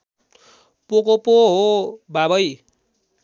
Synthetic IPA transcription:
pokopoɦobabʌj

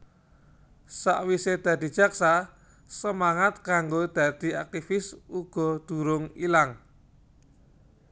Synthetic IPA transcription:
sa̰ʔwised̪̥ä̤d̪̥i̤d̥ʒ̥a̤ksa | səmaŋat̪̚kaŋɡod̪̥a̤d̪̥i̤ak̚t̪ifɪsuɡ̥ɔ̤d̪̥ṳɾʊŋilaŋ

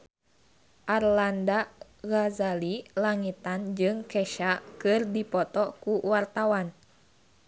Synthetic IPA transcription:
ʔarlanda | ɣazalilaŋit̪and͡ʒɨŋkɛʃakɨrdipɔt̪ɔkuwart̪awan

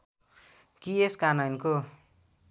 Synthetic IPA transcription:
kieskanʌnko

